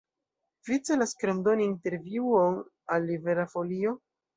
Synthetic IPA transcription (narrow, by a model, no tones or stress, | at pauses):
vit͡se̞laskɾomdo̞niːnte̞ɾviuon | alːiveɾafo̞lio̞